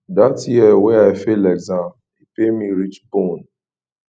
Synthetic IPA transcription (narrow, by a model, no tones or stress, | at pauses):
datjiɛweaɪfelɛɡzãm | ipemiɾit͡ʃbõn